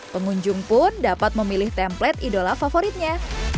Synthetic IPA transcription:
pəŋuɲd͡ʒʊŋpʊndapat̪̚məmilɪht̪ɛmplɛt̪̚idolafafoɾit̪̚ɲa

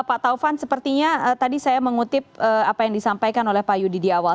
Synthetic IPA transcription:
pat̪aufansəpərt̪iɲaət̪adisajaməŋut̪ɪp̚əapajaŋdisampajkanolɛhpajudidiawa

